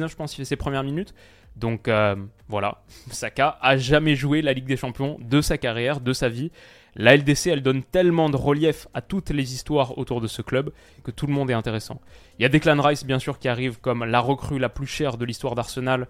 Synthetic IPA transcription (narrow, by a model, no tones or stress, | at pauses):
ɛ̃ʒəpɑ̃sifɛsepχəmjɛʁminyt̪ | d̪ɔ̃køvwala̰sakaʔaʒamɛʒuwelaliɡ̚d̪eʃɑ̃pjɔ̃d̪əsakaʁjɛʁd̪əsavi | laɛld̪eseɛld̪ɔnt̪ɛlmɑ̃d̪əʁəljɛfat̪ut̪lezist̪waʁo̰t̪uʁd̪əsəklœb | kət̪uləmɔ̃d̪ɛt̪ɛ̃t̪eʁesɑ̰̃iljad̪eklanʁajsbjɛ̃syʁkʲiaʁivkɔmlaʁəkχylaplyʃɛʁd̪əlist̪waʁd̪aʁsənal